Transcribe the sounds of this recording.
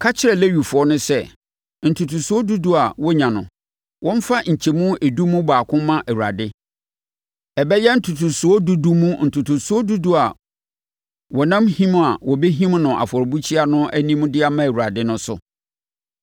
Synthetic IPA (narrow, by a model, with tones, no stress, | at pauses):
kʰa˦t͡ɕʰɪ˦ɾɛ˨le˦ɥu˨fʊ˨ɔ˦nʊ̃˦sɛ˦˨ | n̩˨tʰu˨tʰu˨su˦ɔ˦du˦du˦a˨wɔ˦ɲã˨nʊ̃˨ | wʔɔ̃˦m˦fa˦ɲ̩˨t͡ɕʰe˨mũ˦e˨du˦mũ˦baː˨kʰʊ̃˦mːã˦ʔæ˨wu˨a̰˨dɪ˦ | ɛ˨bɛ˦jɛ˦n̩˨tʰu˨tʰu˨sʊ˨˦ɔ˦du˦du˦mũ˦n̩˨tʰu˨tʰu˨su˨˦ɔ˦du˦du˦a˨ | wɔ˨nã˦mhĩ˦m˦a˨wɔ˨be˦ɦĩ˦mnʊ̃˨ʔa̰˨fɔ˨ɾbu˦t͡ɕʰi˦a˦nʊ̃˦æ˦nĩ˦mũ˦dɪ˦a˦mã˦æ˨wu˨a˨dɪ˦nʊ̃˦sʊ̰˨